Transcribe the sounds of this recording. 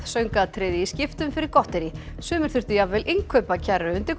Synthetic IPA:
sœɥŋkat̪ʰɾɪːðɪiscɪft̪ʏmfɪɾɪɾkɔht̪ɛɾi | sʏːmɪɾ̥θʏr̥t̪ʏjavɛlʔɪŋkʰœːpacʰɛɾːʏʏnt̪ɪɾ

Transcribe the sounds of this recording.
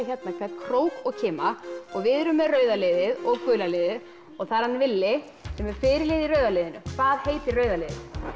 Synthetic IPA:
çɛt̪nakʰvɛt̪kʰɾoːwkɔɣcʰɪːmaɔɣvɪðɾʏmːɛrœːɥðaleːðɪðɔɣkʰʏːlaleːðɪð | ɔɣθaɾhanːvɪlːɪ | sɛmɛɾ̥fɪːɾɪleːðirœːɥðaleːðɪnʏ̰kʰvaːðheːjt̪ɪɾrœːɥðaleːðɪ

